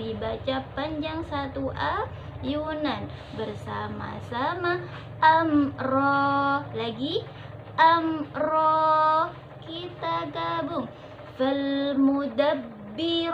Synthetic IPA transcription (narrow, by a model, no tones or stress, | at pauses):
ibat͡ʃapaɲd͡ʒaŋsat̪uʔa | junan | bərsama̰sama | ʔamrɔlaɡi | ʔamrɔ | kit̪aɡabʊŋ | falmud̪abːiɾ